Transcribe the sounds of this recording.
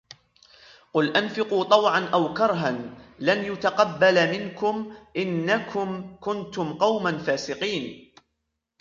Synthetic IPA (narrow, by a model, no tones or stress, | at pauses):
qʊlʔanfɪquːt̪ˤɑwʕanʔawkɑɾˤɦanlanjʊt̪aqɑbːalmɪnkʊmʔɪnːakʰʊmkʊnt̪ʊmqɑwmanfaːsɪqiːn